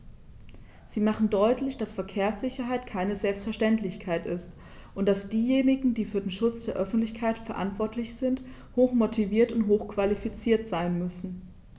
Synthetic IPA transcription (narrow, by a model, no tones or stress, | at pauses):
z̥iːmaχn̩dɔʏtlɪçd̥asfɛɐkʰeːɐsz̥ɪçɐɦaɪtkʰaɪnəzɛlpstfɛɐʃtɛntlɪçkʰaɪtʔɪst | ʔʊntd̥asd̥iːjeːnɪɡŋ̩diːfyːɐdeːnʃʊt͡sd̥eːɐʔœfn̩tlɪçkʰaɪtfɛɐʔa̰ntv̥ɔɐtlɪçz̥ɪnthoːxmotʰiviːɐtʊntɦoːxkv̥alifit͡siːɐtz̥aɪnmʏsn̩